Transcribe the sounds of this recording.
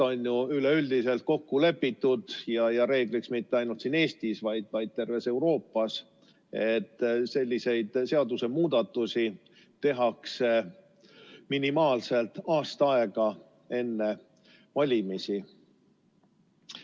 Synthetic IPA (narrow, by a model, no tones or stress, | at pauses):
o̞njuyleyld̪̥ise̞lt̪̚ko̞kːule̞pːit̪ːud̪̥jɑjɑɾe̞ːɡ̥liksmit̪ːeɑjnult̪siːne̞ːst̪isvɑjd̪̥vɑjd̪̚t̪e̞rve̞se̞wɾo̞ːpːˑɑs | e̞t̪ːse̞lʲːise̞jd̪̥se̞ɑd̪use̞muːd̪̥ɑt̪ːˑusi | t̪e̞ɦɑkse̞ | minimɑːlse̞lt̪ɑːst̪ɑɑe̞ɡ̥ɑ | e̞nːe | vɑlʲimisi